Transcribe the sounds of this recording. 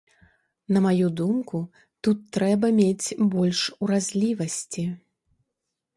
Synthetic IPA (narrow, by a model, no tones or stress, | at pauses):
nɐmajud̪umku | t̪ut̪ːɾɛbɐmʲet͡sʲbɔlʲʂuɾazʲlʲivɐsʲt͡sʲi